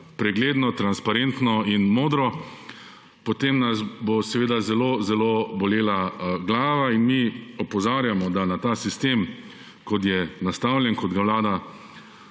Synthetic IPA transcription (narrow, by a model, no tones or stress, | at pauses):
pɾɛɡleːd̪nɔt̪ɾanspaɾent̪nɔinmoːd̪ɾɔ | pɔt̪emnasbosɛʋeːd̪azɛlozɛloːbɔleːlaɡlaːʋainmiɔpɔzaːɾjamɔd̪anat̪aːsist̪eːm | kɔt̪jɛnast̪awljɛnkɔd̪ɡaʋlaːd̪a